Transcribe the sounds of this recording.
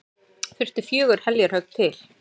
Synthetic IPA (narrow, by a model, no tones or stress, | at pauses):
fɪr̥st̪ɪfjœːɣʏɾ̥hɛljaɾ̥hœkt̪ʰɪl̥